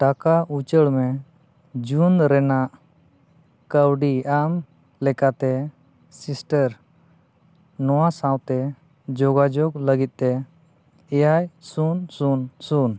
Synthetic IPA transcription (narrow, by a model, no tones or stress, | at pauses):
ʈakaut͡ʃəɽmɛ | d͡ʒunɾɛnaʔ | kəwɖiam | lɛkat̪ɛ | sisʈəɾ | nɔwasãwt̪ɛ | d͡ʒɔɡad͡ʒɔɡləɡit̪̚t̪ɛ | ɛjajsunsunsun